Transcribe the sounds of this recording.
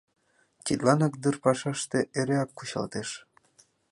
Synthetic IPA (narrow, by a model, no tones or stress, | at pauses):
t͡ɕʲit̪lɑnɑk̚d̪ɨrpɑʃɑʃt̪eʔeɾeɑkːuɕɑ̰lt̪eʃ